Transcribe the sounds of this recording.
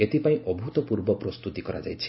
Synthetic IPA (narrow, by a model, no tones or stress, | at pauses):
et̪ipaĩʔɔbʱut̪ɔpuɾbɔpɾɔst̪ut̪ikɔɾa̰d͡ʒajt͡ʃʰi̥